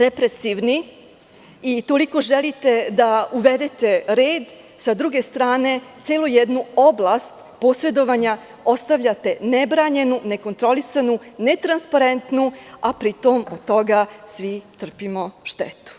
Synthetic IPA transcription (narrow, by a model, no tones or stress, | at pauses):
ɾepɾesiʋni | it̪o̞liko̞ʒelit̪e̞d̪auʋe̞d̪et̪e̞ɾeːd̪ | sad̪ɾuɡe̞st̪ɾaːne̞t̪seːlojed̪nuo̞blˠaːst̪ | po̞ːsɾe̞d̪o̞ʋaɲa | o̞st̪aʋʎʲat̪e̞ne̞bɾaːɲe̞nune̞ko̞nt̪ɾo̞lisanune̞t̪ɾanspaɾent̪nuapɾit̪o̞mod̪t̪o̞ɡasʋit̪r̩pimo̞ʃt̪ḛt̪u̥